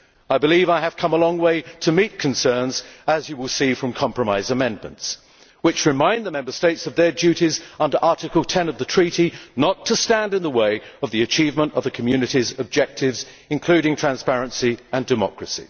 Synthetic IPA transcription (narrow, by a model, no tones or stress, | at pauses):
aɪbɨlivaɪɨv̥kʰʌ̃məlɔ̃ŋweɪɾʰɨmit̚kʰɨ̃n̩sɜ̃˞nzəzjɨwɪlˠsifɹʌ̃mkʰɑ̃mpʰɹəmaɪzəmɛ̃nmə̰̃nts | wɨt͡ʃɹɨmãɪ̃nðəmɛ̃mbə˞steɪtsʌvðə˞d͡ʒʉɾizʌ̃ndə˞ʔɑɹɾɨkəl̩ˠtʰɛ̃nʌvðɨtʰɹ̥iɾinətʰəstæ̃ndɨ̃nðəweɪʌvðiɨt͡ʃʰivmə̃ntʌvðɨkʰəmjʉnɨɾizɨb̚d͡ʒɛk̚tʰɪvz | ɨ̃nkʰl̥ʉɾɪ̃ŋtʰɹ̥æ̃nspæɹɨ̃nsiə̃ndɨmɑ̰kɹɨsḭ